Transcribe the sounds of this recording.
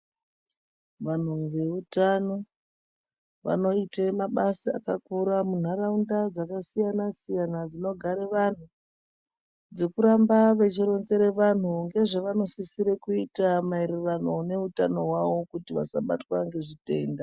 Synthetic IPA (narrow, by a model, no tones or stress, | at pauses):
ʋan̤uʋe̞utano̞ | ʋa̰no̞itemaɓasia̰kakuɾamun̤aɾaundad͡zakasijanasijanad͡zino̞ɡʱaɾeʋan̤u | d͡zekuɾambaʋe̞t͡ʃiɾo̞nze̞ɾe̞ʋan̤uŋɡe̞ʐeʋano̞sisiɾekuitamaeɾirano̞ne̞utano̞ɦwaʋo̞kutiʋa̰sa̰ɓa̰twaŋɡe̞ʐite̞ːnda